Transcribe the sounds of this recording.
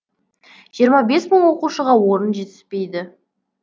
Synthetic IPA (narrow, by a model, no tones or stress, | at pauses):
ʒ̥ijəɾmɑbe̞sməɴwo̞quʃəʁɑwo̞ɾənʒe̞t̪ɪ̥spe̞jd̪ɪ